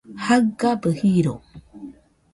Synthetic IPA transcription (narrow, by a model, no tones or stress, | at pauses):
haɡabəhiɾo